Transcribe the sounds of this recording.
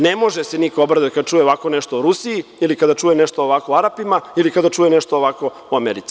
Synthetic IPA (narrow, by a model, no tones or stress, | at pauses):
nemo̞ʒesenikoobɾad̪at̪kad̪at͡ʃuːjeoʋako̞neʃt̪ouɾusiiilikad̪at͡ʃuːjeneʃt̪ooʋakouaɾapimailikad̪at͡ʃuːjeneʃt̪ooʋako̞ | uameɾit̪si̥